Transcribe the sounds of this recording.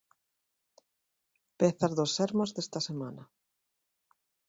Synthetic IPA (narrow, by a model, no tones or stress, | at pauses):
peθaɾðosːeɾmozðest̪ɐsema̰nɐ